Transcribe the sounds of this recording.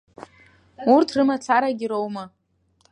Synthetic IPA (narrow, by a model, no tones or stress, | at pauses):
urtʰrɨmat͡sʰaɾaɡʲiɾowma